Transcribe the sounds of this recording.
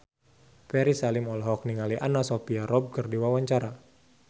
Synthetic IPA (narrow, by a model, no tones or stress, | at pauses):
pɛɾisalɪmɔlɦɔk̚niŋaliʔanasɔpiaɾɔb̚kərdiwawaɲt͡ʃaɾa